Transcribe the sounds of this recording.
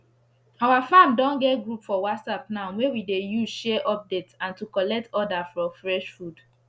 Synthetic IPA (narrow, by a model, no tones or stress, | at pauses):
awafãmdɔ̃nɡɛtɡɹupfɔwatsapnaʊwewidejuzʃɛʔɔp̚detãntukɔlɛk̚tɔdafɹɔ̃mfɹɛʃfud